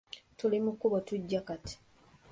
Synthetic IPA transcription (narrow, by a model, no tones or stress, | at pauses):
tulimukːuβotuɟːakati̥